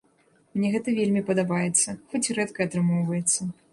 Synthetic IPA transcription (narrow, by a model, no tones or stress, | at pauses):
mnʲɛɣɛt̪ɐvʲelʲmʲipɐd̪abajɛt̪sːɐxɔt͡sʲɾɛt̪kɐːt̪ɾɨmɔwvɐjɛt̪sːɐ